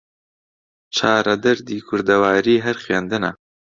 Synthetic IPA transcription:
t͡ʃʰaːɾɐd̪ɐɾd̪iːkʰʊɾd̪ɐwaːɾiːɦɛɾxeːnd̪ɨnɐ̰

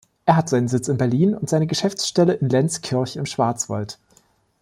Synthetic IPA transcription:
ʔeːɐɦatz̥aɪnənzɪt͡sɪnbɛɐliːnʊ̰ntz̥aɪnəɡəʃɛft͡sʃtɛləʔɪnlɛnt͡skʰɪɐçɪmʃv̥aɐt͡sv̥a̰lt

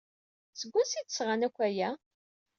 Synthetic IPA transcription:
səɡʷːʊsit̪ːəsʁanækʷːæjæ

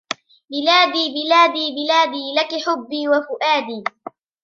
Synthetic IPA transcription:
bɪlaːd̪iːbɪlaːd̪iːbɪlaːd̪iːlakɪħʊbːiːwafʊʔaːd̪iː

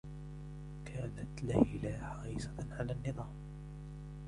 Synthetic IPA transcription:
kʰaːnat̪lahlaːħɑɾiːsaʕalaːnːɨðˤɑːm

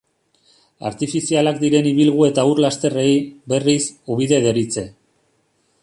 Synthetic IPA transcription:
a̰ɾt̪ifisialakd̪iɾe̞niβ̞ilɣ̞ue̞t̪auɾlast̪e̞re̞jbe̞risuβ̞iðe̞ðe̞ɾit͡se̞

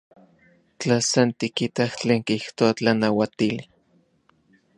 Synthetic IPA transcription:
t͡ɬasant̪ikit̪aht͡ɬeːŋkiht̪oat͡ɬanawat̪ili

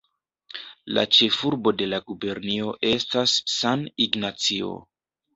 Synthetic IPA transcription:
la̰t͡ʃe̞fuɾbo̞de̞laɡube̞ɾnio̞ʔe̞stasːaniɡnat͡sio̞̰

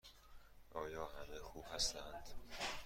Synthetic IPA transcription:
ʔɒːjɒːhæmexuːb̥hæst̪ænd̪̥

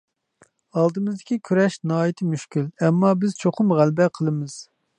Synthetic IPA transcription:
ɑlˠd̪ɨmɨzd̪ɪkʲikʲʰyɾɛʃnɑːjit̪ʰɪmyʃkʲylɛmːɑbɪz̥t͡ʃʰoqʰʊmʁælbɛqʰəlˠɨmɨz̥

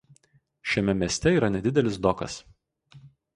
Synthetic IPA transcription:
ʃʲɛmʲɛmʲiɛsʲt̪ʲɛiːɾɐnʲɛd̪ʲɪd̪ʲɛlʲɪs̬d̪ɔkɐ̰s

